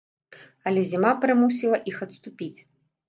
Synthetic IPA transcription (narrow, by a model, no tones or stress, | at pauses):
ɐlʲɛzʲimapɾɨmusʲilˠɐʔixɐt̪st̪upʲit͡sʲ